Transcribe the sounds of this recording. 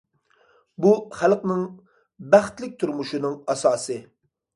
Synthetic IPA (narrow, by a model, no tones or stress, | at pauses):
buχælˠqnɨŋ | bæχt̪lɪk̚ʲt̪ʰuɾmuʃunɨŋɑsɑːsɨ